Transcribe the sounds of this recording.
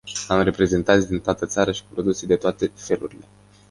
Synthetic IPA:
amre̞pɾe̞ze̞nt̪antsʲd̪int̪oat̪ət̪saɾəʃi̥pɾo̞d̪used̪e̞t̪oat̪e̞fe̞luɾile̞

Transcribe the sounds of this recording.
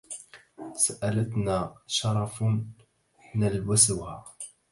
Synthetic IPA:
saʔalat̪naːʃɑɾˤɑf | nalwasʊhaː

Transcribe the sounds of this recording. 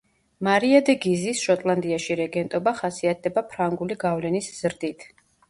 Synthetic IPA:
maɾiad̪ɛɡizisʃɔt̪ʼlˠand̪iaʃiɾɛɡɛnt̪ʼɔbaχasiat̪̚ʰd̪ɛbapʰɾaŋɡuliɡavlɛnisz̥ɾd̪it̪ʰ

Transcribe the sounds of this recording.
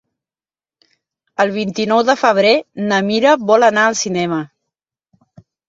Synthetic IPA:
əlˠβ̞int̪inɔwðəfəβ̞ɾenəmiɾəβɔlənaəlˠsinɛmə

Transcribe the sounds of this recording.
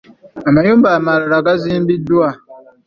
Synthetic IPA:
amaɲum̩bamaɾaɾaɡazim̩bidua

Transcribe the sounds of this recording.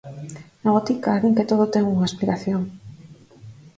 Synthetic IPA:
naβot̪ikaːðiŋket̪oð̞ot̪eŋuŋaesplikaθjoŋ

